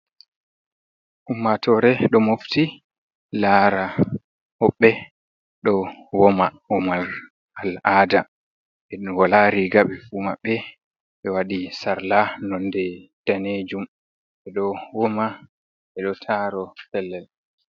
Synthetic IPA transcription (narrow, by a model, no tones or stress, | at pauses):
humːatʰɔɾɛɗɔmofti | laɾa | hɔɓːɛ | ɗɔwɔmawɔmaɾ | alaːda | ʔɛɗunwalaɾiɡaɓɛfuma̰ɓːɛ | ʔɛwaɗisaɾlanɔndɛd̥aned͡ʒum | ʔɛɗɔwɔma | ʔɛɗɔtʰaɾɔfɛlːɛl